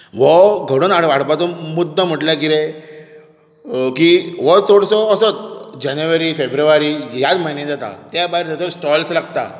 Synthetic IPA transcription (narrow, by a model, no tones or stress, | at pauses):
ʋɔɡʱəɽuːnaɽʋaɽpat͡sɔmud̪ʱːəm̤əʈlakiɾe | kiʋət͡soɽsɔːsət͡sd͡ʑanjuʋəɾifebɾuʋaɾijad̪majnɛ̃d͡zat̪a̰t̪jabaɦiɾt̪at͡səsʈɔlslaɡ̚t̪a̰